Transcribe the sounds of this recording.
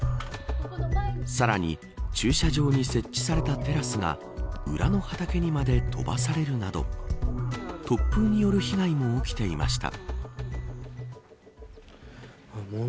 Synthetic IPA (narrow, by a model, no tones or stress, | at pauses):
saɾaɲ̟ḭ | t͡ɕɨːɕaʑo̞ːɲ̟ise̞t͡ɕːi̥saɾe̞t̪at̪e̞ɾasɨɡa̰ | ɯ̟̰ɾʔano̞hat̪ake̞ɲ̟imad̪e̞t̪ʰo̞̰ba̰saɾe̞ɾɯ̟nad̪o̞̰ | t̪o̞pːɯːɲ̟ijo̞ɾɯ̟çiɡaimo̞okʲi̥t̪e̞ima̰ɕi̥t̪a̰